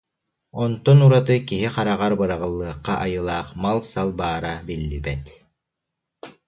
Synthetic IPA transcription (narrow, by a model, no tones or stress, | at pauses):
ɔnt̪ɔnuɾat̪ɯkiɦiqaɾaʁaɾbɯɾaʁɯlˠːɯɐqːaʔajɯlˠaːχmalˠsalˠbaːɾabilːibɛt̪